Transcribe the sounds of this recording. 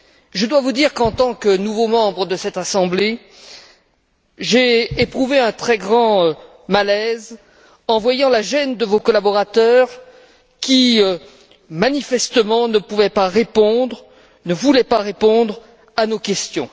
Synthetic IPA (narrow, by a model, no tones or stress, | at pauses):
ʒəd̪wavud̪iʁkɑ̃t̪ɑ̃knuvomɑ̃bʁəd̪əsɛt̪asɑ̃ble | ʒeːpχuveɛ̃t̪χɛɡʁɑ̃ | malɛz | ɑ̃vwajɑ̃laʒɛnd̪əvokɔlabɔʁat̪œʁ | kʲiø | manifɛst̪əmɑ̃nəpuvɛpaʁepɔ̃d̪ʁ | nəvulɛpaʁepɔ̃d̪ʁ | anokʲɛst̪jɔ̰̃